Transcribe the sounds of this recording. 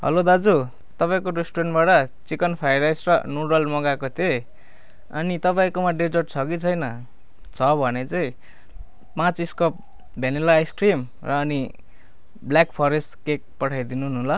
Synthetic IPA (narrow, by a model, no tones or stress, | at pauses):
ɦʌ̰lod̪ad͡zu | t̪ʌpaĩkoɾesʈoɾenʈbaʈʌt͡sikʌnpʰajɾajsrʌnuɾʌlmʌɡakot̪ʰe | ʌ̰nit̪ʌpaĩkomaɖed͡zʌʈt͡sʰʌkit͡sʰʌjnʌ | t͡sʰʌbʱʌnet͡saĩ | pãt͡siskʌp̚ | bʱenelajskrim | rʌːni | bljakpʰʌɾesʈkek̚pʌʈʰajd̪inunɦulʌ